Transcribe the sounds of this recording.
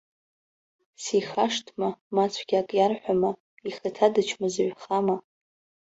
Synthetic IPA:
siχaʂtʰmamat͡sʷʰɡʲakʼjarħʷama | iχatʰadɨt͡ʃʰmazɥχama

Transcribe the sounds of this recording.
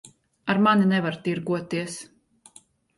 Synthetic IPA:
aɾmaninɛvaɾt̪iɾɡuɔt̪ːiɛs

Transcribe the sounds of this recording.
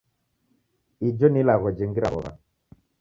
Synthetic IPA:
id͡ʒɔnilaɣɔd͡ʒɛŋɡiɾa̰ɔ̰βa̰

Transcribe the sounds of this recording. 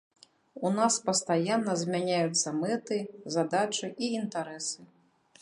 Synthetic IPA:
unaspɐst̪ajanːɐzʲmʲanʲajut̪sːɐmɛt̪ɨzad̪at͡ʂɨʔiint̪aɾɛsɨ

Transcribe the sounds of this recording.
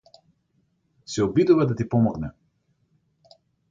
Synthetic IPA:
siɔbid̪uvad̪at̪ipɔmɔɡnɛ̰

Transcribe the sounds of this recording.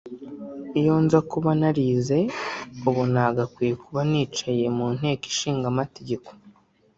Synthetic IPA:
ijoːnzakuβanaɾize̞uβonaɡakwiːkʰuβaniːt͡ʃaje̞mun̥he̞ːki̥ʃiːŋɡamate̞ɟe̞ko̥

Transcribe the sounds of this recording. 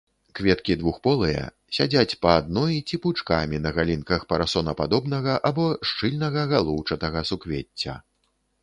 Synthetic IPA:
kvʲɛt̪kʲid̪vuxpɔlˠɨjɛ̰ | sʲad͡zʲat͡sʲpɐːd̪nɔjit͡sʲiput͡ʂka̰mʲinɐɣalʲinkɐxpɐɾasɔnɐpad̪ɔbn̪ɐɣɐʔabɔʂt͡ʂɨlʲnɐɣɐɣalˠuwt͡ʂɐt̪ɐɣɐsukvʲet͡sʲːɐ̰

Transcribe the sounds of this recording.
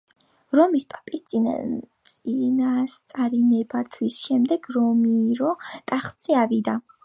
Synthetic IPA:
ɾɔmispʼapʼist̪sʼt̪sʼinast̪sʼaɾinɛbat̪ʰwisʃɛmd̪ɛɡ̥ɾɔmiɾɔt̪ʼaχt̪sʰʼiavid̪a

